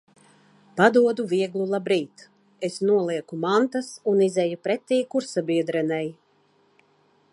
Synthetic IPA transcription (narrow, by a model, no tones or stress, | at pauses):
pad̪uɔd̪uviɛɡlˠulˠabɾiːt̪ | esnuɔlˠiɛkumant̪asunizɛjupɾɛt̪ʲːiːkuɾsabiɛd̪ɾɛnɛj